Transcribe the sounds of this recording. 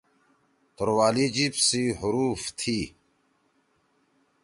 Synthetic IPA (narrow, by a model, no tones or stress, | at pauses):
t̪oɾwaːlid͡ʑipsiɦʊɾuːft̪ʰiː